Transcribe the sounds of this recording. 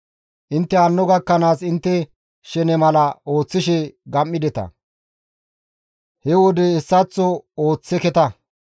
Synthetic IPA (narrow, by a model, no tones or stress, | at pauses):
ʔɪnt̪ːɛɐnːɔɡɐkːɐnaːsɪnt̪ːɛ | ʃɛnɛmɐlɐo̞ːt͡sːɪʃɛɡɐmːɪd̪ɛt̪ɐ̰ | hɛwɔd̪ɛːsːɐt͡sːɔoːt͡sːɛkɛt̪ɐ